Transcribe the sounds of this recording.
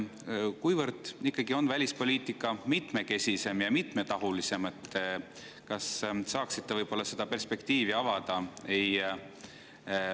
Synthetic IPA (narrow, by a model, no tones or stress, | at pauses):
kujvɤrd̪̥ikːˑɑɡio̞nvælʲispo̞lʲiːt̪ˑikːˑɑmit̪ˑme̞ke̞sʲise̞mjɑmit̪ˑme̞t̪ɑɦulise̞met̪ː | kɑssɑːksit̪ːevɤjb̥o̞lːɑse̞d̪̥ɑpe̞rspe̞kt̪iːviɑvɑd̪̥ɑe̞j